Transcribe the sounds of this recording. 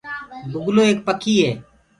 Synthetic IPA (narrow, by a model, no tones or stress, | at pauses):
bʊɡloːeːk̚pəkʰiːɦeː